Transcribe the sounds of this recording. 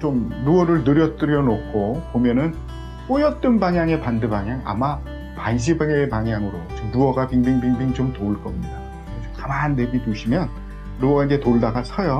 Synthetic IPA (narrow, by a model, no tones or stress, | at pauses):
t͡ɕomnuʌɾɯɭnɯɾjʌt͈ɯɾjʌnok̚k͈ʰopomjʌnɯn | k͈ojʌt̚t͈ɯnbaŋjaŋe̞pandɯbaŋjaŋa̰ma | panɕ̬ʰibaŋaepaŋjaŋɯɾot͡ɕɯmnuʌɡapiŋbiŋbiŋbiŋit͡ɕomtoɯɭk͈ʌmɲida | ʌt͡ɕomkamanːe̞bitoɕʰimjʌnː | uʌɡaiɡetoɭdaɡasʰʌjo